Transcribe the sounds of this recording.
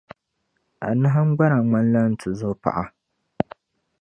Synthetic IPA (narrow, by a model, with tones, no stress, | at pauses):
ʔa̰˨nɨ˦ɦa˦ŋ͡mɡ͡ba˦ɾa˨ŋ͡ma˦n˦la˦n˦tɨ˨zo˦pa̰˨ʔa˨